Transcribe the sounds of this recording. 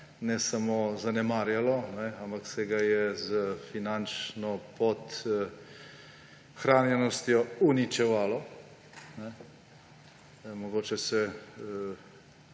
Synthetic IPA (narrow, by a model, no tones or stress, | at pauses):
nɛsamozanɛmaːɾjalɔnɛampaksɛɡajɛzəfinant͡ʃnɔpɔt̪ | xɾaːnjɛnɔst̪jɔunit͡ʃɛʋaːlɔ | nɛ | mɔɡoːt͡ʃɛsɛ